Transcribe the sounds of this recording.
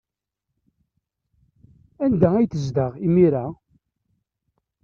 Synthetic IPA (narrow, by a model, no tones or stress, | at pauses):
ænd̪ææjθəzd̪əʁimiɾa